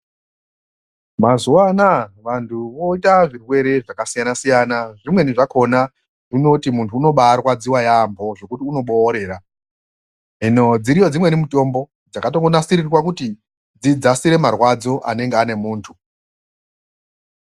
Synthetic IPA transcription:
mazuwanaʋantʰuʋo̞itaʐirwe̞ɾe̞ʐakasijanasijanaʐimwe̞niʐako̞na | ʐino̞timuntʰuːno̞ɓarwad͡ziwajaːmbo̞ʐo̞kutiuno̞ɓo̞ːɾe̞ːɾa | ɦino̞d͡ziɾijo̞d͡zimwe̞nimito̞mbo̞ | d͡zakatoŋɡonasiɾirwak̬uti | d͡zid͡zasiɾe̞marwad͡zo̞ʔa̰ne̞ŋɡeane̞muːntʰu

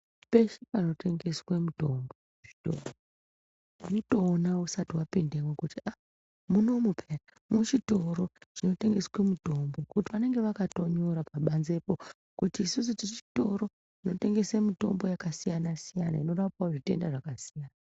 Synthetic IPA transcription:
pe̞ʃepano̞te̞ŋɡe̞swemuto̞mbo | ʐito̰ro | inoto̞ːnausatiwapendemwekutiʔa | muno̞mupʰera | mut͡ʃito̞ɾo̞t͡ʃino̞te̞ŋɡe̞swemuto̞mbo̞kutiʋane̞ŋɡe̞ʋakato̞ɲo̞ɾapaɓanze̞po̞ | kutiːsus̬utit͡ʃi̥to̞ɾo̞ | ino̞te̞ŋɡe̞semito̞̰mbo̞jakasijanasijana̰ino̞rapwaoʐite̞̰ndaʐakasijaːna

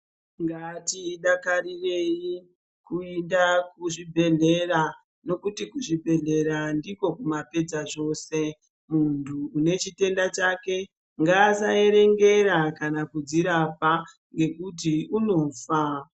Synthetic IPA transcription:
ŋɡatiːɗakaɾire̞ji | kueindakuʐibʱe̞ɮe̞ra | no̞kutikuʐibʱe̞ɮe̞ɾandiko̞kumape̞d͡zaʐo̞ːse̞ | muntʰuːne̞t͡ʃite̞ndat͡ʃake̞ | ŋɡaːsae̞ɾe̞ŋɡe̞ɾakanakud͡ziɾapa | ŋɡe̞kut̬iuno̞ːfa

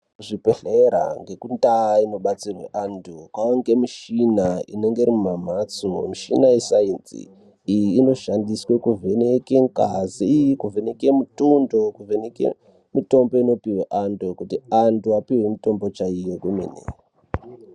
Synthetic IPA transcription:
ʐipeɬeɾa̰ŋɡe̞kundaino̞ɓat͡sirwḛʔandukwaoŋɡe̞miʃinaḭne̞ŋɡe̞iɾimumamat͡somiʃinaisaint͡sḭ | ijiːno̞ʃandiswe̞kuvʱenekeŋkazijkuvʱenekemutundo̞kuvenekḛ | mito̞mbo̞ino̞piweʔandukutiantuapiwe̞mito̞mbo̞t͡ʃaijokumḭnḛ

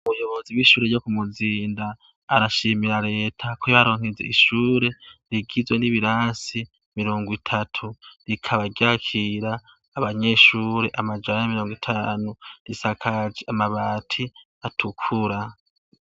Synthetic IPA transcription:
uβujo̞βo̞ziwiʃuːɾejo̞kumuziːndaː | ɾaʃimiɾaɾe̞ːtʰakojaɾoːŋ̥izḛiʃuːɾe̞ɾiɡizwe̞niβiɾaːsi | miɾo̞ːŋɡwitʰatʰuɾikʰaβaɡjakʰiɾaː | βaɲe̞ʃuːɾe̞ʔamad͡ʒanaamiɾo̞ːŋɡwitʰaːnuɾisakʰad͡ʒamaβaːtʰi | atʰukʰuɾa

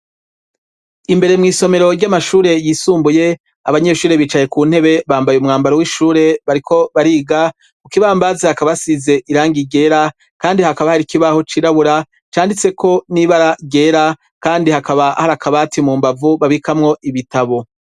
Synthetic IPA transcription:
imbe̞ɾe̞mŋiːso̞me̞ɾo̞ɾɟamaʃuːɾe̞jiːsuːmbuje̞ | a̰βaɲe̞ʃuːɾe̞βiːt͡ʃaje̞kuːn̥he̞βe̞βaːmbajumŋaːmbaɾowiʃuːɾe̞βaɾikʰo̞βaɾiːɡa | ukiβaːmbaːzehakaβasize̞ʔiɾaːŋɡiɡe̞ːɾa | kaːndihakaβahaɾikiβaho̞t͡ʃiɾaβuɾa | t͡ʃaːndit͡se̞kʰo̞niβaɾaɟe̞ːɾa | kaːndihakaβahaɾakʰaβatimuːmbavuβaβikamŋo̞ʔiβitaβo̞

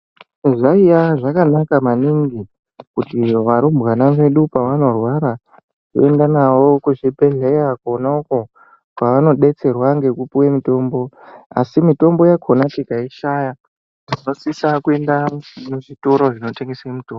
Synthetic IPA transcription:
ʐaijaʐakanakamaniŋɡi | kutiʋaɾumbɣanaʋe̞ɗupaʋano̞rwaɾa | ko̰e̞ndanawo̞kuʐibʱe̞ɮe̞jakuonauko | paʋano̞ɗe̞t͡se̞rwaŋɡe̞kupuwemito̞ːmbo̞ | a̰simito̞mbo̞jakʰonatikaiʃaja | ʐino̞sisakue̞ndamuʐitoɾo̞ʐino̞teŋɡeseimitoːmb

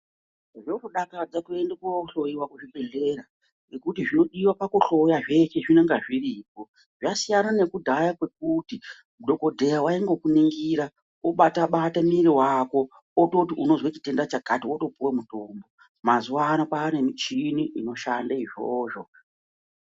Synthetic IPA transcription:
ʐoruɗakad͡zakue̞ndekaoɬojiwakuʐiɓe̞ɮe̞ɾa | nekutiʐino̞ɗiwapakuɬo̞jaʐe̞t͡ʃeʐineŋɡaʐirip̚o̞ | ʐasijanane̞kudʱajakwe̞k̚uti | mudʱo̞ko̞dʱejawaiŋɡokuniŋɡiɾa | oɓataɓatamiɾiwaːko̞ | oto̞tiuno̞zwet͡ʃi̥te̞ndat͡ʃakatiwoto̞puwemuto̞ːmbo̞ | mazuwaːnapaːne̞mit͡ʃiniʔino̞ʃandaiʐo̰ːʐo̞

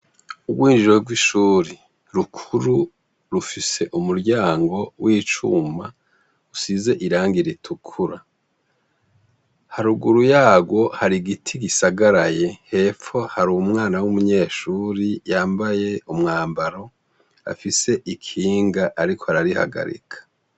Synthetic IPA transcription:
uɡwiːnʒuɾeɡwiʃuːɾi | ɾukʰuɾu | ɾufise̞ʔumuɾɟaːŋɡo̞wʔiːt͡ʃṵma | usize̞ʔiɾaːŋɡiɾitʰukʰuɾa | haɾuɡuɾujaːɡwo̞haɾiɡitʰiɡisaɡaɾaje̞he̞ːfo̞haɾuumŋaːnawumuɲe̞ːʃuːɾijaːmbaje̞umŋaːmbaɾo̞ | a̰fise̞ʔikʰiːŋɡaʔaɾikʰohaɾaɾiha̰ɡa̰ɾḭkʰḁ

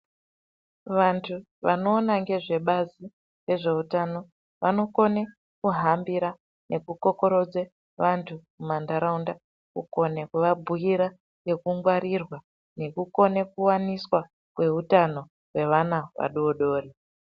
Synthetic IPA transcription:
ʋantʰu | ʋano̞ːnaŋɡe̞ʐe̞ɓazi | re̞ʐe̞utano̞ | ʋano̞ko̞ne | kuɦambiɾa | nʔe̞kukoko̞ɾo̞d͡ze | ʋantʰumumandaɾaunda | kuko̞nekuʋabʱuiɾa | je̞kuŋɡwaɾirwa | ne̞kuko̞ne̞kuwaniswa | kwe̞utano̞ | ɦwe̞ʋanaʋa̰ɗoɗo̞ːri

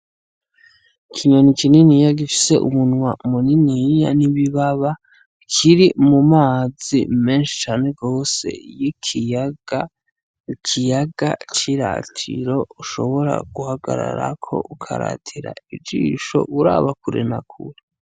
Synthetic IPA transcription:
kʰiɲonikininijaɡifi̥se̞ʔumunwaumuninijaniβiβaβa | kʰiɾimumaːzḭme̞ːnʃi̥t͡ʃaːne̞ɡo̞ːse̞̰jikiɡa | kʰijaɡa̰t͡ʃiɾa̰tʰḭɾo̞uʃo̞̰βo̞ɾa̰ɡ̥uhaɡaɾaɾakʰo̞̰ʔukʰaɾa̰tʰiɾa̰id͡ʒḭːʃo̞̰uɾa̰ːβakuɾḛnakʰṵɾe

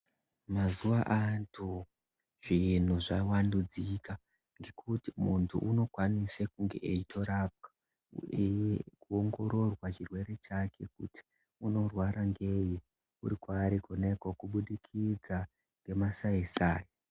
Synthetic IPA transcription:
mazuwaʔantʰu | ʐ̥in̤uʐawandud͡zika | ŋɡe̞kʰutimuntʰṵʔuno̞kwanisekuŋɡeʔːitʰo̞ɾap̚kḁ | ejekuoŋɡo̞ɾo̞rwat͡ʃirwe̞ɾe̞t͡ʃakʰe̞kṵtʰi̥ | uno̞rwaɾaŋɡe̞je | ṵɾikwaːɾikonekokuɓuɗikʰid͡za | ŋɡe̞masaisaːji

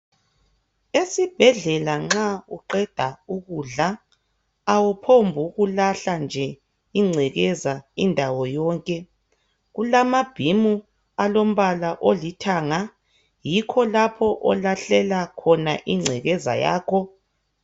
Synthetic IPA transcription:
esib̥ʱɛɮɛlaŋ͡ǁauǃɛd̥ʱauɣuːɮaː | wupʰombʱuɣulaɬand͡ʒʱɛ | iŋ͡ǀʱɛɣɛzaindʱawɔjɔːŋkʼɛ | ɣulamab̥ʱimu | alom̩βalaʔolitʰaːŋa | jikʰɔlapʰɔʔɔlaɬɛlakʰɔnaʔiŋ͡ǀʱɛɣɛza̰ja̰ːkʰɔ

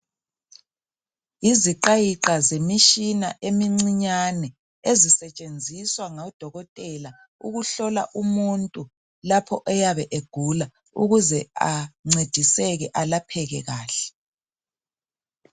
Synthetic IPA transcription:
iziǃajiǁazemiʃina̰ʔemiŋ͡ǀiɲanɛ | ezisɛt͡ʃʼend͡zʱiswaŋaɔd̥ʱɔɣɔtʼɛla | uɣuɬɔla̰ʔumuntʼu | lapʰɔʔɛjaβɛʔeɡ̥ʱula | ṵɣuzɛa̰ŋ͡ǀed̥ʱisɛɣɛʔalapʰɛɣɛɣaːɬɛ̥

